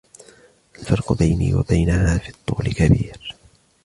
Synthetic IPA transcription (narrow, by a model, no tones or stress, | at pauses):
ʔalfɑɾˤqʊbajnḭːwa̰bajnahaːfiːt̪ˤːuːlɪkabiːɾ